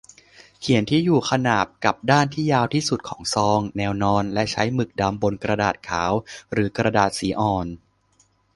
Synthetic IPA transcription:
kʰi˨˩˦nt̪ʰiː˥˩juː˨˩kʰa˧naː˨˩p̚ka˨˩p̚daː˥˩nt̪ʰiː˥˩jaː˧wt̪ʰiː˥˩su˨˩t̪̚kʰɔː˩˦ŋsɔː˧ŋnɛː˧wnɔː˧nlɛ˦˥ʔt͡ɕʰa˦˥jmɯ˨˩k̚da˧mbo˧nkɾa˧daː˨˩t̪̚kʰaː˩˦wɾɯː˩˦kɾa˧daː˨˩t̪̚siː˩˦ʔɔː˨˩n

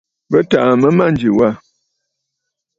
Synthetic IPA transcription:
bə˦ta˨mə˦ma˦˨n̩˨d͡ʒi˨wa˦˨

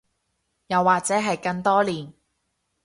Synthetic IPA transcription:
jɐ˨wːaː˨k̚t͡sɛː˨˥ɦɐ˨jkɐ˧ŋt̪ɔː˥liː˨n

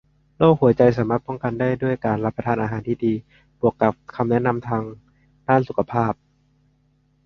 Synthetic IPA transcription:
loː˥˩k̚hu˩˦t͡ɕa˧jsaː˩˦maː˥˩t̪̚pɔ˥˩ŋka˧ndaː˥˩jdu˥˩əjkaː˨nɾa˦˥pːɾa˧t̪ʰaː˧nʔaː˧ɦaː˩˦nt̪ʰiː˥˩diː˧ | b̥u˨˩əkːa˨˩p̚kʰa˧mnɛ˦˥na˧mt̪ʰaː˧ŋ | daː˥˩nsu˨˩kʰa˧pʰaː˥˩p̚

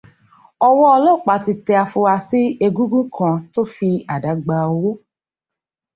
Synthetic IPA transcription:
ɔ˧wɔ˦ɔ˧lɔ˦˨k͡pa˨ti˧tɛ˧a˧fu˧wa˧si˦e˧ɡũ˦ɡũ˦kʰã˧to˦fi˧a˨da˨˦ɡ͡ba˧o˧wo˦

